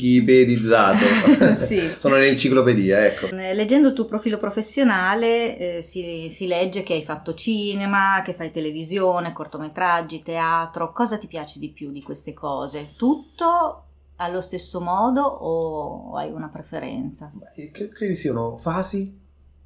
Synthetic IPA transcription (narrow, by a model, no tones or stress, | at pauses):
kiped̪id̪zːaːt̪osisoːnonelt͡ʃikloped̪ḭːaɛkːoled͡ʒːɛnd̪ot̪upɾofiːlopɾofesːjonaːlesisilɛd͡ʒːek̟eajfat̪ːot͡ʃiːnemakefːajt̪elevizjoːnekort̪omet̪ɾad͡ʒːit̪eaːt̪ɾokɔːzat̪ipjaːt͡ʃed̪ipjud̪ikwest̪ekʰɔːzet̪ut̪ːo | alːost̪esːomɔːd̪oʔːa̰junapɾefeɾʔɛ̰nt̪saaɛkekːevisionofaːzi